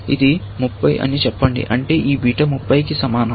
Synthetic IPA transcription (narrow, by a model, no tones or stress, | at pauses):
id̪i | mupːɐjʔɐ̰nit͡ʃɛpːɐɳɖḭʔɐɳʈe̞ːʔiːbʱiːʈɐmupːɐjkisɐmaːnɐ